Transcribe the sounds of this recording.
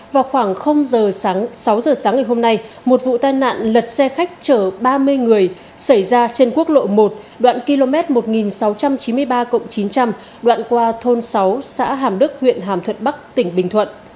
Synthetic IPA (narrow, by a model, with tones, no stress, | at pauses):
vaː˨˩wxwaː˧˩ŋxə˧wŋ͡mzəː˨˩aː˨˦ŋsa˨˦wzəː˨˩saː˨˦ŋːa˨˩jɦho˧mna˧j | mo˨˩t̚vṵ˧˨t̪aː˧jna̰ː˧˨nlə˨˩t̚sɛ˧xa˦˥k̟̚t͡ɕəː˧˩ɓaː˧mɨ˧əjŋɨ˨˩əj | sa˧˩jzaː˧t͡ɕe˧nku˦˥ək̚lo̰˧˨mo˨˩t̚ | ɗwa̰ː˧˨nki˧lo˧mɛ˦˥t̚mo˨˩t̚ŋi˨˩nsa˨˦wt͡ɕa˧mt͡ɕi˨˦mɨ˧əjɓaː˧kə̰˧˨wŋ͡mt͡ɕi˨˦nt͡ɕa˧m | ɗwa̰ː˧˨nkwaː˧t̪ʰo˧nsa˨˦wsa̰ː˧˥ɦaː˨˩mɗɨ˦˥k̚hwḭ˧˨ənɦaː˨˩mt̪ʰwə̰˧˨nɓa˦˥k̚t̪ï˧˩ŋ̟ɓï˩ŋ̟t̪ʰwə̰˧˨nʔ